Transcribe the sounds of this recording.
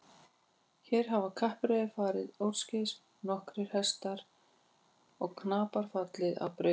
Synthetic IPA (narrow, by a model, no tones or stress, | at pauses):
çɛːɾ̥ɦavakʰahpɾeːðɪfaːɾɪðowɾ̥scɪs | nɔhkɾɪɾ̥hɛst̪aɾ | ɔɣkʰnaːpaɾ̥fat̪lɪða̰wpɾœ